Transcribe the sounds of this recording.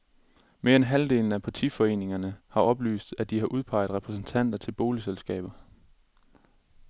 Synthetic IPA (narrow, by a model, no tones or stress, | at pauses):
me̝ːɐenɦæld̥e̝̰ːln̩æpʰɑ̈t͡sʰḭfɒ̽e̝̰ːne̝ŋɐnəhɑ̈ʔɒ̽b̥ly̰ːsd̥æd̥ihɑ̈ʔuð̞ˠpʰɑ̈ɪð̩ˠʁɛpʰʁɛsn̩t͡sʰæn̰d̥ɐt͡sʰe̝lb̥o̝ːliselsɡ̥ɛ̰ːb̥ɐ